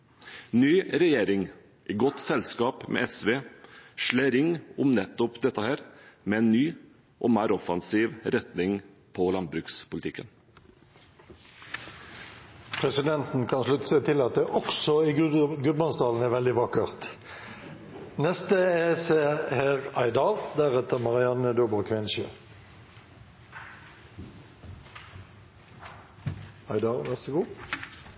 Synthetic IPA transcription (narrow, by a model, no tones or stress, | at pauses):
nyːɾɛjeːɾɪŋ | ʔɪɡɔt̪sɛlskɑːpmʔɛ̰ɛsʋeːʂɭeːɾɪŋːʊmnɛt̪ːɔpd̪ɛt̪ːəhæːɾmɛɛːnnyː | ʔɔːmæːɾɔfɑnsiːʋɾɛt̪nɪŋ | pʰɔlɑn̚bɾʉːkspʊlt̪ɪkːən | pʰʁɛsɪd̪ɛnt̪n̩kʰɑnslʉt̪ə̥sət̪ʰɪlɑt̪̚d̪ɛʔɔksɔiːɡʉbmɑnsd̪ɑːln̩æːʁʋɛld̪ɪʋɑkəʁt̪ | nɛst̪əeseːheːʁɑɪd̪ɑʁd̪æʁɛt̪əmɑʁɪɑnəd̪ubɔʁkʰʋɪnʃə | ɑɪd̪ɑʁʋæʁsəɡuː